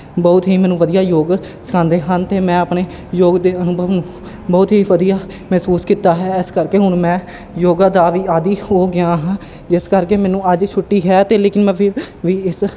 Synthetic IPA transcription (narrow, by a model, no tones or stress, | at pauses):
bɔːt̪ɦiːmɛ̃ːnũːʋəd̪ijaːjoːɡ | sə̥kʰãːnd̪eːɦənt̪eːmɛ̃ːəpneː | joːɡd̪eːənʊbʱəʋnũː | bɔːt̪ɦiːʋəd̪ijaː | mɛːsuːskiːt̪aːɦɛːɪskəɾkeːɦʊɳmɛ̃ː | joːɡaːd̪aːʋiːaːd̪iːɦoːɡɪjãːɦãː | d͡ʒɪskəɾkeːmɛ̃ːnũːəd͡ʒt͡ʃʰʊʈːiːɦɛːt̪eːleːkɪnmɛ̃ːpʰɪɾʋiːɪs